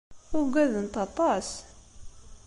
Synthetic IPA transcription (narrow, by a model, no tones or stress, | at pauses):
ʊɾɡʷæðənt̪ɑt̪ˤɑs